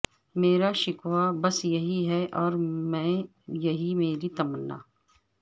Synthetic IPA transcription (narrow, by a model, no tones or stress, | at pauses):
meːɾaʃɪkwabɐsjɐɦiɦɛʔɔːɾmɛ̃ː | jɐɦimeːɾit̪ɐmənːa̰ː